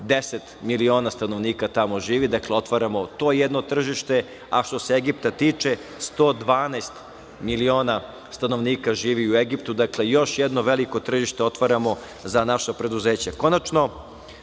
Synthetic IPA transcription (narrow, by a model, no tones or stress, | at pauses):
d̪eset̪milio̞ːnast̪ano̞ʋniːkat̪amo̞ʒiːʋid̪akleo̞t̪ʋaɾamo̞t̪oːjed̪no̞t̪r̩ʒiʃt̪e̞ | aʃt̪oseeɡipt̪at̪iːt͡ʂe̞ | st̪o̞ːd̪ʋaːnast̪ | milio̞ːna | st̪ano̞ʋniːkaʒiːʋiueɡipt̪ud̪akle̞jo̞ʃjɛd̪no̞ʋeliko̞t̪r̩ʒiʃt̪eo̞t̪ʋaɾamo̞ | zanaʃapɾe̞d̪uzeːt͡ɕako̞nat͡ʃno̞